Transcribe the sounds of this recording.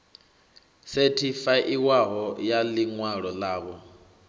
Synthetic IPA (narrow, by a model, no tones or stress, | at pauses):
setʰifaʔiwaɦɔjaliŋwaɺɔlaːβɔ